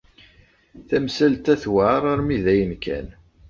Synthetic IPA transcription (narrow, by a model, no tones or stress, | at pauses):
θæmsælt̪æθwaɾˤaɾˤmiðæjənkʰæ̰n